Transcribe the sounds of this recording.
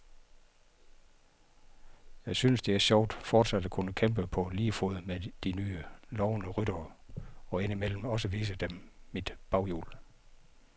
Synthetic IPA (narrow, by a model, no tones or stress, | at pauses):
jɑ̈ɪsynəsd̥e̝æɐɕɒʊ̰d̥fɒːd̥sæd̥əkʰunəkʰem̰b̥əpʰɒ̽liːfoð̩ˠmed̥inyːəlɒʊnəʁyɾ̥ɐ | ɒ̽e̝nimel̰m̩ɒ̽s̬əʋḭːs̬əd̥emmid̥b̥ɑ̈ʊjṵːl